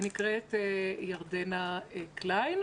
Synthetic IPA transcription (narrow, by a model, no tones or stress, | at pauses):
nikʁetjaʁdenaklajn